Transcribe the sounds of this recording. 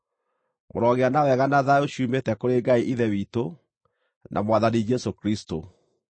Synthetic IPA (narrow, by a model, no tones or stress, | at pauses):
moɾɔɣeanawɛɣanaðaoɕuːmetɛkoɾeɡaiʔiðɛwiːto | nʔa̰mwaðanid͡ʒɛsokɾisto